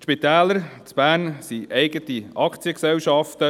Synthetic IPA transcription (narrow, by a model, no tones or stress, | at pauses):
ʃpit̪æːləɾt͡sb̥æːɾnsiɛɪɡət̪iɑkʰt͡siəksɛwʃɑft̪ə